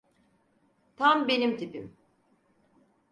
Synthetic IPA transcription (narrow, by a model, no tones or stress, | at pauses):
t̪ʰambe̞nimt̪ʰipḭm